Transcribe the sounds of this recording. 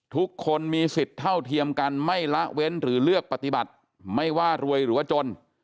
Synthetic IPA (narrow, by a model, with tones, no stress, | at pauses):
t̪ʰu˦˥kʰːo˧nmiː˧si˨˩t̪ʰːa˥˩wt̪ʰi˧əmka˧nma˥˩jla˦˥ʔwe˦˥nɾɯː˩˦lɯ˥˩ək̚pa˧t̪i˨˩ba˨˩t̪̚ | ma˥˩jwaː˥˩ɾu˧əjɾɯː˩˦waː˥˩t͡ɕo˧n